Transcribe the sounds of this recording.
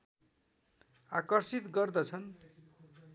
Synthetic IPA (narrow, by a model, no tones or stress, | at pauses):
akʌrsit̪ɡʌrd̪ʌt͡sʰʌn